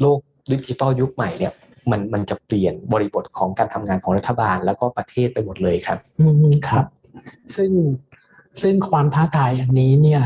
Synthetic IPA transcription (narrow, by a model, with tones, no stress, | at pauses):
loː˥˩k̚ | di˧˦˥t͡ɕi˧t̪ɔː˥˩ju˦˥k̚ma˨˩jni˥˩ɐ | ma˧nma˧nt͡ɕa˨˩pli˨˩ənbɔː˧ɾi˦˥bo˨˩t̪̚kʰɔː˩˦ŋkaː˧nt̪ʰa˧mŋaː˧nkʰɔː˩˦ɾa˦˥t̪ʰːa˨˩baː˧nlɛː˦˥wkɔː˥˩pɾa˧t̪ʰeː˥˩t̪̚pa˧jmo˨˩t̪̚lɤː˧jkʰɾa˦˥p̚ʔɯː˧kʰa˦˥p̚ | sɯ˥˩ŋ | sɯ˥˩ŋkʰwaː˧mt̪ʰaː˥˩t̪ʰaː˨˩ja˨˩ŋniː˦˥ni˥˩ɐ